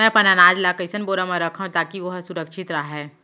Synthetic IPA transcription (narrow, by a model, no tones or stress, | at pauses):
ɛ̃pɐnanaːd͡ʒlakəɪsənboːɾamãɾɐkʰãt̪aːkiʋoɦsʊɾəkʃɪt̪ɾaɦɛː